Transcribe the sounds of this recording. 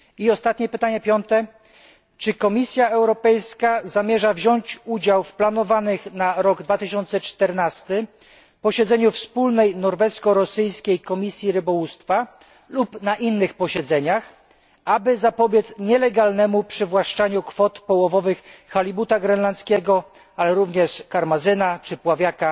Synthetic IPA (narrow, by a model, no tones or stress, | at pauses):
iɔst̪at̪ɲɛpɘt̪aɲɛpʲjɔnt̪ɛ | t͡ʂɘkɔmʲisʲjaɛwɾɔpɛjskazamʲjɛʐavʑɔɲt͡ɕud͡ʑawfplanɔvanɘxnaɾɔɡd̪vat̪ɘɕɔnt̪sɛt͡ʂt̪ɛɾnast̪ɘ | pɔɕɛd̪zɛɲufspulnɛjnɔɾvɛskɔɾɔsɘjskʲejkɔmʲisʲjiɾɘbɔwust̪fa | lupnaʔinːɘxpɔɕɛd̪zɛɲax | abɘzapɔbʲjɛt̪sɲɛlɛɡalnɛmupʂɘvwaʂt͡ʂaɲukfɔt̪pɔwɔvɔvɘxːalʲibut̪aɡɾɛnlant̪skʲɛɡɔ | alɛɾuvɲɛʂkaɾmazɘnat͡ʂɘpwavʲjaka